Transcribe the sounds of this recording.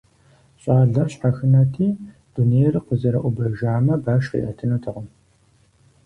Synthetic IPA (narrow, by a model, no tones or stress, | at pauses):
ɕʼaːɮɐɕħaxɨnɐtʰiː | d̥unejrqəzɐɾɐʔʷʊbɐʒaːmɐbaːʃqḭːʔɐtʰɨnoːtʰɨʁʊm